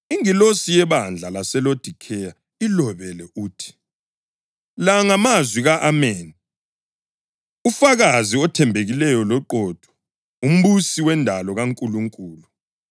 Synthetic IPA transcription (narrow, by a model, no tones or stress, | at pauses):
iŋilosijɛβand͡ɮʱalasɛlod̥ʱikʰɛja | ilɔβɛlɛʔuːtʰi̥ | laŋamazwiɣaʔameːni | ufaɣaziɔtʰɛmbʱeɣilɛjɔlɔǃɔd̥ʱɔ̥ | um̩ɓusiwɛndʱalɔɣaŋkʼuluŋkʼuːlu